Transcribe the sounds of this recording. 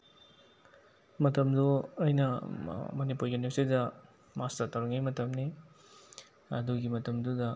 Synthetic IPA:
mɐtɐmduɐjnɐmɐnipuɾɡinesidɐ | mastɐtɐwɾiŋajmɐtɐmni | ɐduɡimɐtɐmdudɐ

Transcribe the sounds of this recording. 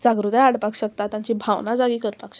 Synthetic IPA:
d͡zaɡɾud̪ajaɽpakɕəkt̪at̪ːjaɲt͡ɕibʱawnad͡zaɡiːkəɾpakɕə̥

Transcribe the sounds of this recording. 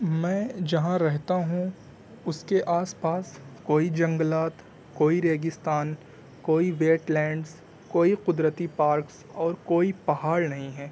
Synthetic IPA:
mɛ̃ːd͡ʒɐɦãɾɛɦt̪aɦũ | ʊskeʔaːspaːskoːid͡ʒɐ̃ŋɡəlaːt̪ | koːiɾeːɡɪst̪aːn | koːiʋeːʈlɛ̃ːɳɖs | koːiqʊd̪ɾət̪ipaːɾks | ɔːɾkoːipɐɦaːɭnɐɦĩɦɛː

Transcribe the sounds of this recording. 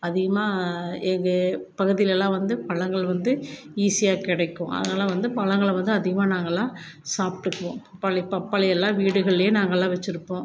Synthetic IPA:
ɐðɪɣɐmaːɛŋɡɐpɐɣɯðɪjlɛlːãːʋɐnd̪ɯpɐɭɐŋɡɐɭʋɐnd̪ɯ | iːsɪjaːkɪɽɐɪkːʊ̃ʔɐ̰ðɐnaːlːãːʋɐnd̪ɯpɐɭɐŋɡɐɭʋɐnd̪ɯɐðɪɣɐmaːnaːŋɡɐlːãːsaːpʈːɯpːõːpɐpːaːlɪpɐpːaːlɪjɛlːãːʋiːɽɯɣɐɭjeːnaːŋɡɐɛlːãːʋɛt͡ʃːɪɾɯpːõː

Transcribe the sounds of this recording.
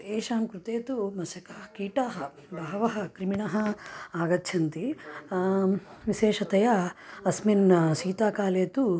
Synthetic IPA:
eːʃaːmkɾut̪eːt̪umɐsɐkɐkiːʈaːɦɐ | bɐɦɐʋɐɦɐ̆kɾimiɳɐɦɐ̆aːɡɐtːt͡ʃʰɐnt̪i | ʋiʃeːʃɐt̪ɐjɐɐsminsiːt̪aːkaːleːt̪u

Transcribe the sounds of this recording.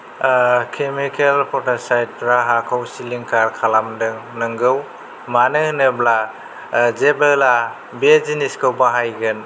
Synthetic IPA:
kʰemikelpʰɔtasajt̚ɾaɦakʰawsiliŋkaɾkʰalamdɯŋnɯŋɡɯw | manɯhnɯbla | zebela | beziniskʰɯwbaɦajɡɯn

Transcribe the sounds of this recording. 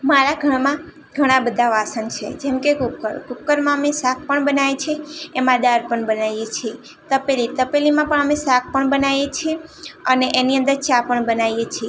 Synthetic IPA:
maɾaɡʱəɳmã | ɡʱəɽ̃ãbəd̪ʱaʋasənt͡ʃʰḛd͡ʒemkekʊkːəɾkʊkːəɾmãəmesak̚ʰpəɳbənaʋet͡ʃʰeːmãd̪aɾpəɳbənajjet͡ʃʰie | t̪əpelit̪əpelimãpəɳəmesak̚ʰpəɳbənajet͡ʃʰieəneʔeniə̃nd̪əɾt͡ʃapəɳbənajet͡ʃʰe

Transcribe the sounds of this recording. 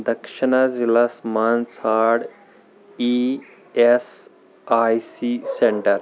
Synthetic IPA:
d̪ɐkʃɪnazilasmaːnsʰaːɽ | i | es | aːjsiseɳʈəɾ

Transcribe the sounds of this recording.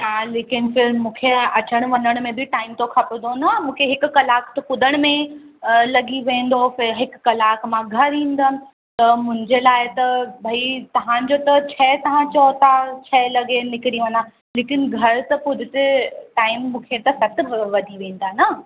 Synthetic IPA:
ɦaːleːkɪnfɪɾmũːkʰeɐt͡ɕəɽ̃ʋɐ̃ɲəɽ̃mẽbɪʈaːɪmt̪okʰɐpɪnd̪onɐmũːkʰeɦɪkʊ̆kɐlaːkt̪ɐkʊd̪ʱəɽ̃mẽ | lɐɡiʋẽːn̆d̪ofɪɦɪkːɐlaːkmãɡʱɐɾɦĩːnd̪ənɪ̆ | t̪ɐmʊ̃ɦɪ̃ɲd͡ʑelaːɪt̪ɐbʱɐit̪ɐʋ̤ãd͡ʑot̪ɐt͡ɕʰɐːt̪ɐʋ̤ãt͡ɕɔːt̪at͡ɕʰɛːlɐɡenɪkɪɾiʋɐ̃n̆d̪a | leːkɪnɡʱɐɾt̪ɐpʊd̪ʱɪt̪eʈaːɪmːũːkʰet̪ɐsɐt̪ɪ̆bʱɐʋɐd̪ʱiʋẽːn̆d̪ana

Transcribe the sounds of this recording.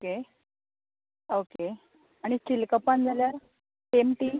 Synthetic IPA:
oke | oke | aɽ̃ikilkəpand͡zʱaljaɾ | pemʈiː

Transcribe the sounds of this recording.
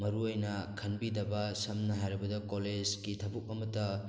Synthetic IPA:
mɐɾuojnɐkʰɐnbidɐbɐsɐmnɐɦajɾɐbɐdɐkoled͡ʒɡitʰɐbuk̚ɐmɐtɐ

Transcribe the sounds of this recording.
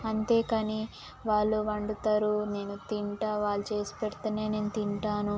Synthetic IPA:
ɐnt̪e̞ːkaːni | ʋaːɭːuʋɐɳɖut̪aːɾune̞ːnut̪iɳʈaʋaːɭːut͡ʃe̞ːsu̥pɛɽt̪ɐneːne̞ːnut̪iɳʈaːnu

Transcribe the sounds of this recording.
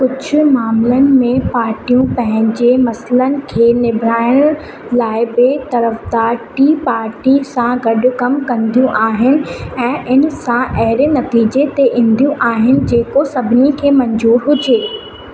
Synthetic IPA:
kʊd͡ʑʱʊ̆maːmlənɪ̆mẽpaːɾʈijũpɐ̃ɦɪ̃ɲd͡ʑemɐslənɪ̆kʰeːnɪbʱɾaːɪɽ̃ | laːɪbɪt̪ɐɾəfd̪aːʈipaːɾʈisãɡɐɖʊ̆kɐmkɐ̃nd̪ʱijũʔaːɦɪnɪ̆ɛ̃ːʔɪn̆sãʔɐɦɪɾenɐt̪iːd͡ʑet̪eʔɪ̃nd̪ʱijũʔaːɦɪnɪ̆d͡ʑeːkosɐbʱɪnikʰeːmɐ̃ɲzuːɾɦʊd͡ʑeː

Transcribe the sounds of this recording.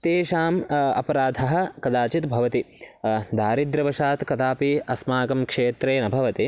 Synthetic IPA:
t̪eːʃaːmɐ̰pɐɾaːd̪ʱɐɦɐ̆kɐd̪aːt͡ʃit̪bʱɐʋɐt̪i | d̪ʱaːɾid̪ɾɐʋɐʃaːt̪kɐd̪aːpiɐsmaːkɐmkʂeːt̪ɾeːnɐbʱɐʋɐt̪i

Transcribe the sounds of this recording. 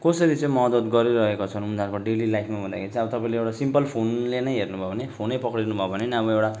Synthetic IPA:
kʌsʌɾit͡sʌjmʌd̪ʌd̪ɡʌɾiɾʌɦekot͡sʰʌnumd̪ʱarkoɖelilajpʰmabʱʌnd̪akʰeɾit͡sʌ̃ʌbʌt̪ʌpaĩleewʈasimpʌlpʰonlenʌjɦernubʱʌʌnepʰonʌjpʌkɽnubʱʌbʱʌneniʌbʌewʈa

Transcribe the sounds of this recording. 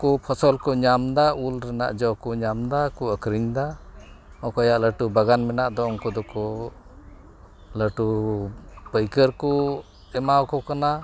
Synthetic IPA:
kɔpʰɔsɔlkɔɲamd̪aulɾɛna̰ʔd͡ʒɔwkɔɲamd̪akuəkɾiɲd̪a | ɔkɔjaʔləʈubaɡanmɛnaʔd̪ɔɔŋkɔd̪ɔkɔ | ləʈu | pəjkəɾkɔ | ɛmawkɔkana

